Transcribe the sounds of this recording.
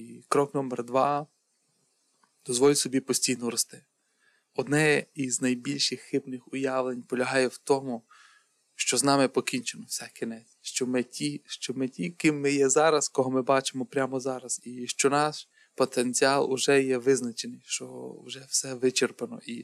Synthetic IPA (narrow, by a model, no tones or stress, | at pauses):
kɾɔknɔmerd̪ʋɑ | d̪̥ɔzʋɔlʲsɔbʲipɔsʲtʲijnɔɾɔst̪ɪ | ɔd̪nɛiznɐjbʲilʲʃɪxːɪbnɪxʊjɑʋlˠenʲpɔlʲɐɦɑjɛwt̪ɔmʊ | ʃt͡ʃɔznɑmɪpɔkʲinʲt͡ʃenɔwsɛkʲinɛt͡sʲʃt͡ʃɔmɪtʲiʃt͡ʃɔmɪtʲikɪmːɪjɛzɑɾɐskɔɦɔmɪbɑt͡ʃɪmɔpɾʲamɔzɑɾɐz̥iʃt͡ʃɔnɑʃ | pɔt̪enʲt͡sʲiɑlˠʊʒɛjɛʋɪznɐt͡ʃenɪjʃt͡ʃɔ̰ʊʒɛwsɛʋɪt͡ʃerpɐnɔ̰ʔi